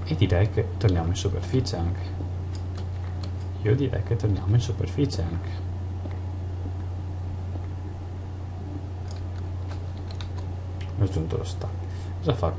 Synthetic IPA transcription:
ed̪iɾɛjket̪ːornjaːmoinsuperfit͡ʃeaŋkʰe̥ | iːod̪iɾɛ̰jket̪ːornjaːmoinsuperfit͡ʃeaŋkʰe̥ | nad͡ʒunt̪o̰lo̰st̪a | zafa

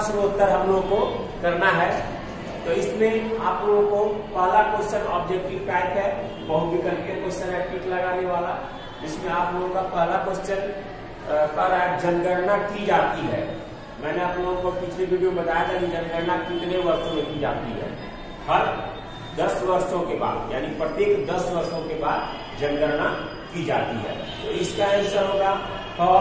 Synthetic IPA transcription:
sɾoʊt̪ːəɾɦɐmloːɡõko | kɐɾnaɦɛ | t̪oɪsmẽaːploːɡõkopɛɦlakost͡ʃənɔːb̚d͡ʒek̚ʈiʋkaːjət̪ɦɛ | bɐɦʊt̪bikɐɾkekosəɾapiʈlɐɡaːneʋaːla | d͡ʒɪsmẽaːploːɡõkapɐɦlakost͡ʃən | kaɾaːk̚d͡ʒɐnɡəɾnakid͡ʒaːt̪iɦɛ̰ː | mɛ̃ːneaːploːɡõkopɪt͡ʃʰlebɪɖijobɐt̪aːjat̪ʰakid͡ʒɐ̃nɡəɾnakɪt̪neʋɐɾʃõmẽkid͡ʒa̰ːt̪ḭɦɛ̰ː | hɐɾ | d̪ɐsʋəɾʃõkeba̰ːd̪jaːnipɾət̪eːkd̪ɐsʋəɾʃõkebaːd̪ | d͡ʒənɡəɾna | kid͡ʒaːt̪ḭɦɛ̰ː | t̪oɪskaɪʃaɦoːɡa | t̪ɔː

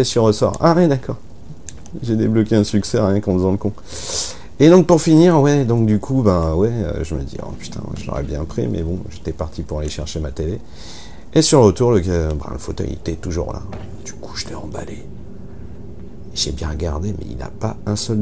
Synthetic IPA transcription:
ɛsyʁəsɔ̰ʁa̰ʁɛ̃d̪akɔːʁ | ʒed̪eblɔkʲeɛ̃syksɛʁjɛ̃kɑ̃fəzɑ̃ləkɔ̃ | ed̪ɔ̃k̚puʁfiniʁwɛd̪ɔ̃kd̪ykʰubãwɛø̰ʒəməd̪iɔ̰̃py̥t̪ʰɛ̰̃ʒəlɔ̰ʁɛ̰bjɛ̃pχḭmɛ̰bɔ̃ʒet̪ɛpaʁt̪ipuʁaleʃɛʁʃemat̪ele | esyʁʁət̪uʁlək̬ɛbã̰ləfot̪œ̰jḛt̪ɛt̪uʒṵʁla̰ | d̪̥ykʰu̥ʒə̥t̪ʰɛɑ̰̃bale | eʒɛbjɛ̃ʁəɡʲaʁd̪emɛ̰ḭla̰paɛ̃sœl

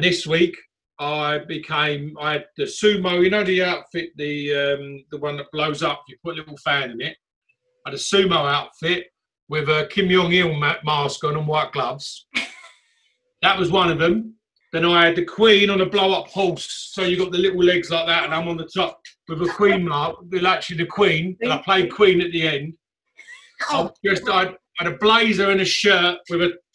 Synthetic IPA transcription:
nðɛs̚wiˑk | aɪbɪkʰẽɪ̃maɪɨd̪̚ðəsʉːməʊjɨnoʊðiaʊtfɪʔðiʌ̃mðəwʌ̃nðəʔ̚b̥ləʊzʌpjəpʰʊtəlɪɾl̩ˠfæ̃nɪ̃nɪt̚ | aɪɾəsʉːməʊaʊtfɪʔ̚ | wɪðəkʰɪ̃mjɒ̃ŋɪlˠmmɑˑskəʊə̃nə̃nwaɪʔ̚ɡ̥lʌvz̥ | ðəʔwɒzwʌ̃nʌvðə̃m | ðə̃naɪəd̪̚ðɨkʰw̥ĩːnə̃nəbləʊʌphɔlˠsːəʊjəɡɒʔ̪̚ðəlɪʔl̩ˠlɛɡzlaɪk̚ðətə̃nãɪ̃mə̃nðətʰɒp̚wɪðəkʰw̥ĩːnmɑwɪlak̚t͡ʃəliðəkʰw̥ĩːnə̃naɪpʰl̥eɪd̚kʰw̥ĩːnəʔ̪̚ðiɛ̃nd̥ | aɪd͡ʒʌstaɪ | əɾəbleɪzə˞ɪ̃nəʃɜˑʔwɪðə

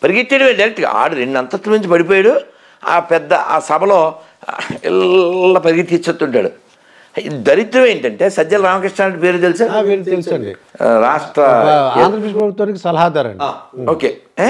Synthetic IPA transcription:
pɐɾiɡit̪ːiːɽɐmeːɖɐjːɾek̚ʈiɡa̰a̰ːɽuɾeɳɖɐnt̪ɐt̪ːlɐmiɲt͡ʃupɐɽip̬oːjaɽu | a̰ːpɛd̪ːɐʔaːsɐbʱɐlo̞ː | ḭlːɐpɐɾiɡit̪it͡ʃːɐt̪ːuɳʈaːɽṵ | d̪ɐɾit̪ːɾɐme̞ːɳʈɐɳʈe̞ːsɐd̪ːɐlɐɾaːmɐkɾiʂʈaːnɐʈipeːɾuːt̪̬elisaːiɾt̪elisɐɳɖḭɾaːʂʈɾɐed̪ɐɾɐpiʂpɾɐbʱut̪wʋaːnikʲisɐlɐɦaːd̪aːɾɐ̰ɳɖaːoːkeː

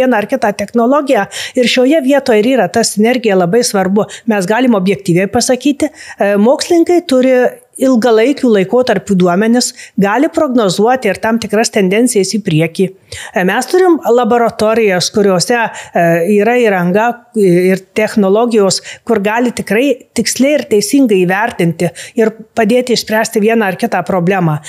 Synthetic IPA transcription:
iɛnɑɪrkʲɪt̪ɑːt̪ʲɛxnoːlˠoːɡʲɪjæɪɾʃʲoːjɛʋʲiɛt̪oːjɛɪɾiːɾɐt̪ɐsʲɪnʲɛɾʲɡʲɪjɛlˠɐbɐɪsʋɐrbʊmʲɛsɡɑːlʲɪmoːbʲjɛk̚t̪ʲiːʋʲɛɪpɐsɐkʲiːt̪ʲɪmoːksʲlʲɪnʲɪŋkɐɪt̪ʊɾʲɪ | ɪlˠɡɐlˠɐɪkʲuːlˠɐɪkoːt̪ɐɾʲpʲuːd̪uɔmʲɛnʲɪsɡɑːlʲɪpɾoːɡnoːzuɔt̪ʲɪɪɾt̪ɐmt̪ʲɪkɾɐst̪ʲɛnʲd̪ʲɛnʲtt͡ssʲɪjɛsiːpʲɾʲiɛkʲiː | mʲɛst̪ʊɾʲɪmlˠɐboːɾɐt̪oːɾʲɪjɛskʊɾʲoːsʲɛ | iːɾɐiːɾɐŋɡɐɪrt̪ʲɛxnolˠoːɡʲɪjoːskʊɾɡɑːlʲɪt̪ʲɪkɾɐɪt̪ʲɪksʲlʲɛɪɪrt̪ʲɛɪsʲɪŋɡɐɪiːʋʲɛɾʲt̪ʲɪnʲt̪ʲɪɪrpɐd̪ʲeːt̪ʲɪʃʲsʲpʲɾʲæːsʲt̪ʲɪʋʲiɛnɑɐrkʲɪt̪ɑːpɾoːbʲlʲæːmɑː

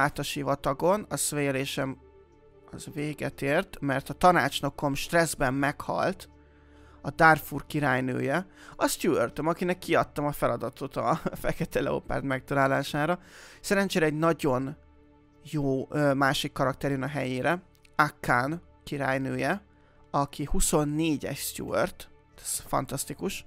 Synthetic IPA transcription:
aːt̪ɒʃivɒt̪ɒɡo̞nɒsveːleːʃɛm | ɒzveːɡɛt̪eːrt̪mɛrt̪ɒt̪ɒnaːt͡ʃno̞ko̞mʃt̪rɛzbɛmːɛkhɒ̰lt̪ | ɒd̪arfurkiɾaːjnø̰ːjɛɒst̪juørt̪ømɒkinɛkːiɒt̪ːɒmɒfɛlɒd̪ɒt̪ʰo̞t̪ɒfɛkɛt̪ɛlɛ̰o̰pa̰ːrt̪mɛk̚t̪ɒlaːlaːʃaːɾɒsɛɾɛnt͡ʃɛɾɛɛɟnɒɟo̞n | joːømaːʃikːɒɾɒkt̪ɛɾjønɒɦɛjeːɾɛ | akːaːn | kiɾa̰ːjnøːjɛ | ɒkʰihuso̞nːeːɟɛ̰ʃst̪jṵø̰rt̪ | t̪ɛ̥sfɒ̰nt̪ɒst̪ikuʃ

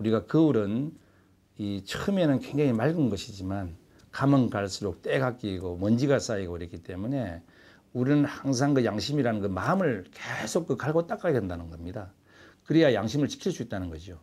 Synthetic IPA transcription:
uɾiɡakɯuɾɯn | it͡ɕʰɯɯme̞nɯnkweŋd͡ʑeŋimaɭɡɯnɡʌɕʰid͡ʑiman | kamɯnɡaɭs͈uɾok̚t͈eɡak͈iɡomʌnd͡ʑiɡas͈aiɡoiɾʌk͈it͈e̞mune̞ | uɾɯnhaŋs̬ʰaŋɡɯjaŋɕʰimiɾanɯnɡɯmamɯɭkesʰok̚k͈ɯkaɭɡot͈ak͈aedendanɯnɡʌmɲida | kɯɾijajaŋɕʰimɯɭt͡ɕi̥kʰiɭs͈uit̚t͈anɯnɡʌd͡ʑio

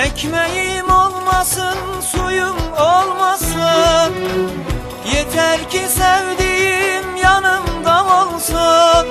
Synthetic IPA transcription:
ɛkʲʰmæjɪmolˠmɑsɯnsujumolˠmɑsɯn | jet̪ʰæɾkʲʰɪsæwd̪ɪjimjɑnɯmd̪ɑbolˠsɯn

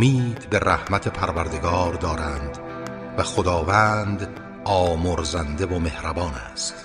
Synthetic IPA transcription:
miːd̪be̞ræhmæt̪ʰe̞pʰæɾvæɾd̪e̞ɡɒːɾd̪ɒːɾænd̪ | væχod̪ɒːvæːnd̪ | ɒːmoɾzænd̪evome̞hɾæbɒːnæst̪

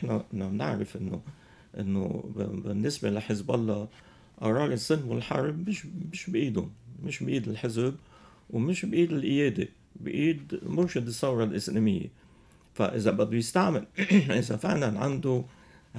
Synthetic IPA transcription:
ħnanamnɪ̰ʕɾɪfʔɪnːo̰ | ʔɪnːo̰bɪnːɪsbelaħɪzbʔɑlˤːɑː | ʔɑɾˤɑːlisˤːɨnːwɪlħɑɾˤbmɪʃmɪʃbʔiːd̪ʊnmɪʃbʔiːd̪ɪlħɪzb | wmɪʃbʔiːd̪ɪlʔɪjeːd̪ḛ | bʔiːd̪mʊɾʃɪd̪ɨsˤːɑwɾˤɑlʔɪsleːmɪ̰jːḛ | fa̰ʔɪzabad̪ːujɪst̪aʕmɪlʔɪzafɪʕlanʕand̪u

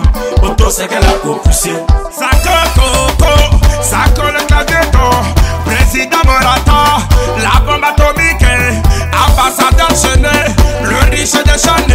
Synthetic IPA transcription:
ot̪osɛkɛlaɡokusesakɔt̪okosakɔleklad̪ed̪ɔ̃pɾezid̪ãmɔɾat̪ãla̰bɔ̃bat̪omike | ãbasad̪ɛʁʒənɛloɾiʃed̪eʃane

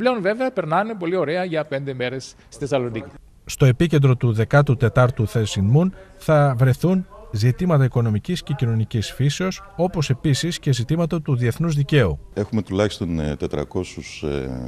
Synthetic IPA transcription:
ple̞onve̞veɐpe̞ɾnɐne̞po̞lio̞ɾe̞ɐʝɐpe̞nd̪e̞me̞ɾesːi̥θesɐlo̞nici | st̪o̞e̞pice̞nd̪ɾo̞t̪uðe̞kɐt̪ut̪e̞t̪ɐɾt̪uθesinmun | θɐvɾe̞θunzit̪imɐt̪ɐiko̞no̞micisce̞cino̞nicisfise̞o̞s | o̞po̞se̞pisisce̞zit̪imɐt̪ɐt̪uðie̞θnuzðice̞ue̞xume̞t̪ulɐçist̪o̞nt̪e̞t̪ɾɐ̰ko̞sus

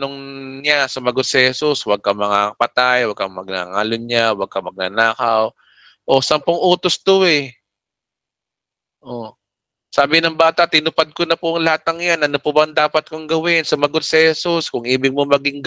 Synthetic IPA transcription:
noŋɲasʊmɐɡod̪̚sɪhɛsuswɐɡ̚kɐmɐŋaɐpɐt̪ajwɐɡ̚kɐmɐɡ̚na̰ŋalʊɲawɐɡ̚kɐmɐɡ̚nɐ̰naːkɐw | ʔo̞sɐmpoŋʔoːt̪ost̪oɛ | ʔo̞ | saːbɪnɐŋbaːt̪ɐʔt̪ɪnʊpad̪̚konɐpʊʔɐŋlɐhat̪̚ːɐŋjanʔɐnopʊbɐɐŋd̪aːpɐt̪̚kʊŋɡɐwɪnsʊmɐɡod̪̚sɪhɛsuskʊŋʔiːbɪɡ̚momɐɡɪŋ

